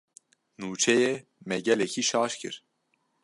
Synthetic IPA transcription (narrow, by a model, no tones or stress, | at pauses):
nuːt͡ʃʰɛjɛmɛɟɛlɛcʰiːʃɑːʃkʰɨ̰ɾ